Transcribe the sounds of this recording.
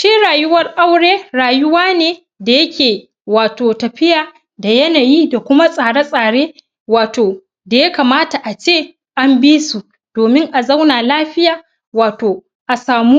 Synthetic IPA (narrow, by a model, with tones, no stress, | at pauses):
ʃiː˦ɽaː˨jʊ˦wɐ˦rʔa˦wɽeː˦ɽaː˨jʊ˦waː˦neː˨ | da˨jɐ˦kʲeː˨ | waː˨toː˨tɐ˨ɸɪ˦jaː˨ | da˨jɐ˦naː˨ji˦da˨kʷʊ˦ma˦sʼaː˨ɽe˦sʼaː˨ɽeː˦ | waː˨toː˨ | da˨ja˦kaː˨maː˦ta˨ʔa˨t͡ʃeː˦˨ | ʔa˦mbiː˦su˨ | d̥oː˨mɪ˦ŋʔa˨za˦wnaː˨laː˦ɸɪ˦jaː˨ | waː˨toː˨ | ʔa˨saː˨muː˦